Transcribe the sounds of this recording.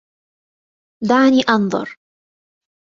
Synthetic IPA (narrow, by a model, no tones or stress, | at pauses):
d̪aʕniːʔɑnðˤʊ̰ɾ